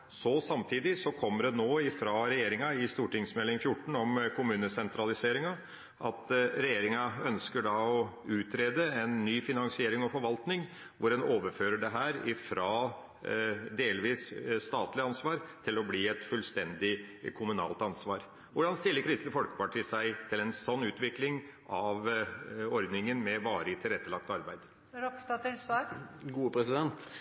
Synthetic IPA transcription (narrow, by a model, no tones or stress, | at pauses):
sɔsɑmt̪ʰiːd̪ɪsɔkʰɔmːəɖɛnoːɪfɾɑɾɛjeːɾɪŋɑɪst̪uːʈɪŋsmɛlːɪŋfjʊʈːɳ̩ɔmkʰʊmʉːnəsɛnt̪ʰɾɑlɪseːɾɪŋɑ | ʔɑ̰t̪ɾɛjeːɾɪŋɑœnskəɖɑɔʉːt̪ʰɾeːd̪əɛnːyːfɪnɑŋsɪeːɾɪŋɔfɔɾʋɑlt̪nɪŋ | ʋʊɾɛnoːʋəɾføːɾəɖɛɦæːɾɪfɾɑː | d̪eːlʋiːsst̪ɑːt̪lɪɑnsʋɑːɾt̪ʰɪlɔbliːɛt̪fʉlst̪ɛnd̪ɪkʰʊmʉnɑ̰ːlt̪ɑnsʋɑːɾ | ʋʊɖɑnst̪ɪlːəɾkʰɾɪst̪əfɔlkə̥pɑʈʰiːsæɪt̪ʰɪlɛnsɔnːʉːt̪ʋɪklɪŋʔɑʋ | ɔɾd̪nɪŋənmɛʋɑːɾəɪt̪ʰɪlɾɛt̪ːəlɑk̚t̪ɑɾbæɪd̪ | ɾɔpst̪ɑːt̪ɪlsʋɑːɾɡuːəpʰɾɛsɪd̪ɛnt̪